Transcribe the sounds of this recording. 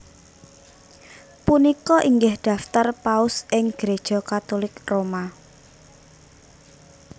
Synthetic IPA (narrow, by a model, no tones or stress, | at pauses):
punikɔʔiŋɡɪhɖ̪̥ä̤ft̪arpaʊsɪŋɡ̥ɾed̥ʒ̥ɔ̤kat̪olɪkroma